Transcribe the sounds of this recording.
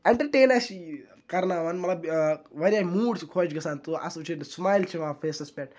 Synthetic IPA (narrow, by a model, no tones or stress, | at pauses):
eɳʈəɾʈeːnɐsi | kɐɾnaːʋanmɐt̪lɐbʋɐɾjaːmuːɽt͡ʃʰikʰoːt͡ʃɡɐsaːnt̪uʔɐ̰sot͡ʃʰeʈsmaːjlt͡ʃʰiʋãːfʰeːsɐspʲeʈ